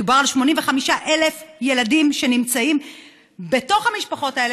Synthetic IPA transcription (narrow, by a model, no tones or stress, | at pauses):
ubaʁalʃmo̞nimveχamiʃaʔe̞lefje̞ladimʃe̞nimt͡saim | be̞to̞χhamiʃpaχo̞tael